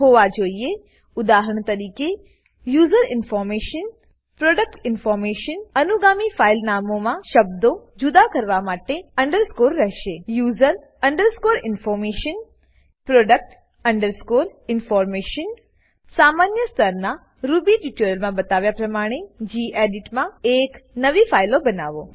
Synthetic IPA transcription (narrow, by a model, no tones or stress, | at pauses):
ɦoːʋad͡ʑoːie | ʊd̪aːɦɾəɽ̃t̪ɐɾiːke | juːzəɾɪnfɔːɾmeːʃən | pɾoːɖək̚ʈɪnfɔːɾmeːʃənɐnuɡaːmifaːɪlnaːmõmãʃɐb̚d̪od͡ʑʊd̪akɐɾʋamaːʈeɐ̃ɳɖəɾskoːɾːɐɦʃeːjuːzəɾ | ɐɳɖəɾskoːɾɪnfɔːɾmeːʃən | pɾoːɖək̚ʈ | ɐ̃ɳɖəɾskoːɾɪnfɔːɾmeːʃən | saːmaːnjəst̪ʰəɾnã | ɾuːbiʈuʈjoɾəlmãbɐt̪aːʋjapɾɐmaːɽ̃ed͡ʑiːʔeːɖɪʈmãeːknɐʋifʰaːɪlõbɐna̰ːʋo̰ː